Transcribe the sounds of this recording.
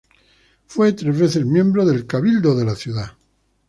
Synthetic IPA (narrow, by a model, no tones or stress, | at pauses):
fwe̞t̪ɾe̞zβ̞e̞θezmjẽ̞mbɾoðe̞lkaβild̪oðe̞laθjuða